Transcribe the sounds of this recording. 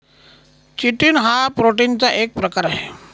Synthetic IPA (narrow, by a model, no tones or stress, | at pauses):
t͡ʃiʈinɦapɾoʈint͡saʔek̚pɾəkaɾɦɛ